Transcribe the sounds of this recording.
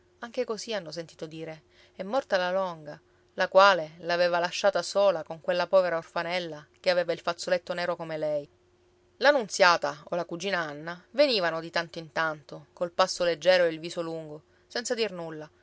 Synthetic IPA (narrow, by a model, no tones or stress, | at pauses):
aŋk̟ekosianːos̬ent̪iːt̪od̪iːɾe | ɛmːɔrt̪alalɔŋɡa | lakwaːlelaveːvalaʃːaːt̪asoːlakoŋkwelːapɔːveɾaorfanɛlːak̟eaveːvailfat̪sːolet̪ːonɛːɾokomelɛj | lanunt̪sjaːt̪aolakud͡ʒiːnaanːaveniːvanod̪it̪ant̪oint̪ant̪okolpasːoled͡ʒːɛːɾoeilviːsoluŋɡo | sɛntsad̪irnulːa